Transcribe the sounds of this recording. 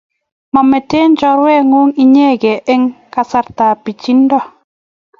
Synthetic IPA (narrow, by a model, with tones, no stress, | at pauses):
mɔ˨mɛ˨te˦nd͡ʒɔ˦ɾwɛ˦˨ŋʊ˦ŋi˦ɲe˦˨ɡɛ˨ʔe˦ŋka˨sa˦ɾta˨pi˨t͡ʃi˦ndɔ˦˨